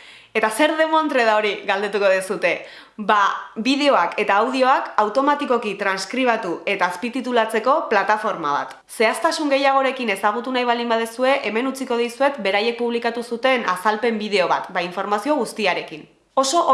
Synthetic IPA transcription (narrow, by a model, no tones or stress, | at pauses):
e̞t̪ase̞ɾðe̞mo̞nt̪ɾe̞ðao̞ɾiɣald̪e̞t̪uko̞ð̞isut̪e̞ | babiðe̞o̞ake̞t̪aːwð̞io̞akawt̪o̞mat̪iko̞kit̪ɾanskɾiβ̞at̪ue̞t̪aːspit̪it̪ulat͡se̞ko̞plat̪afo̞ɾma̰βa̰t̪ | se̞ast̪asuŋɡe̞jaɣ̞o̞ɾe̞kine̞saɣ̞ut̪unajβ̞ald̪imbaðesue̞ʔeme̞nut͡siko̞ð̞isue̞t̪be̞ɾaje̞k̚puβlikat̪usut̪e̞nasalpe̞mbið̞e̞o̞β̞a̰t̪baiɱfo̞ɾmasio̞ɣ̞ust̪iaɾe̞kin | o̞so̞ʔ